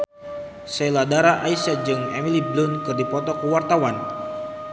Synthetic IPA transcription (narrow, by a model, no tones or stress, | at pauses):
seladaɾaʔaisad͡ʒɨŋɛ̰miliblʊnkɨrdipɔt̪ɔkuwart̪awan